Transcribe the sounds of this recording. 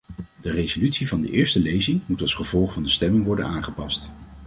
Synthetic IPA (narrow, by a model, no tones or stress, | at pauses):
dərezolytsivɑndə̰ʔɪːɹstəlejzɪŋmutɑlˠsχəv̥ɔlˠχfɑndəstɛmɪŋʋɔɹdə̰naːχəpɑst